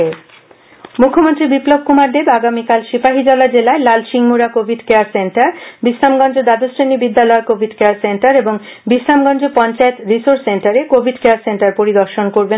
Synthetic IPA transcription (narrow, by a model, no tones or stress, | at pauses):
e | mukʰːomont̪ɾibiplob̚ʱkumaɾd̪ebaɡamikalʃipaɦid͡ʑɔlad͡ʑelaelalʃiŋmuɾakobʱiɖkeaɾseɳʈaɾbislamɡɔnd͡ʑod̪ad̪osɾenibid̪ːalɔekobʱiɖkeaɾseɳʈaɾeboŋbislamɡɔnd͡ʑopɔnt͡ɕaet̪ɾisoɾsseɳʈaɾekobʱiɖkeaɾseɳʈaɾpoɾid̪ɔɾʃonkoɾbe